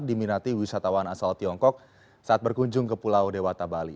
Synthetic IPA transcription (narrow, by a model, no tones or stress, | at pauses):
diminat̪iwisat̪awanasalt̪iɔŋkɔk̚ | saʔat̪̚bərkuɲd͡ʒʊŋkəpulawdewat̪abali